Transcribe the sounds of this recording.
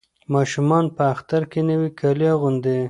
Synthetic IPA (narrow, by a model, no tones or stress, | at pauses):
mɑʃumɑnpəaxt̪aɾkenəwikʰaljɑɣʊnd̪e